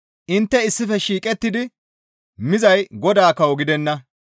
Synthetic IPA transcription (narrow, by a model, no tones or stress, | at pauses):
ʔɪnt̪ːɛɪsːɪfɛʃiːkʼɛt̪ːɪd̪ɪ | mɪzɐjɡɔd̪aːkɐwɔɡɪd̪ɛnːɐ